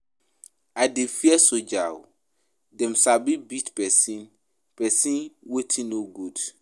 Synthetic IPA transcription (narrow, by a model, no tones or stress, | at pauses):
adefiɛsod͡ʒaw | dɛ̃msabibitpɛsĩn | pɛsĩnwetʰĩnnoɡud̥